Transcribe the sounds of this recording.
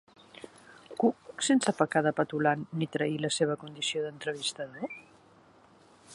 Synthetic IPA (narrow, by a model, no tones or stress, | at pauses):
kuk̚sensəpəkaðəpət̪ulanːit̪ɾəiləseβ̞əkund̪isioðənt̪ɾəβ̞ist̪əðo